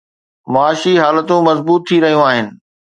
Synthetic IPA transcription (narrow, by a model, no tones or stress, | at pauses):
mɐaːʃiɦaːlət̪ũmɐzbuːt̪ʰːiɾɐɦijũaːɦɪnɪ̆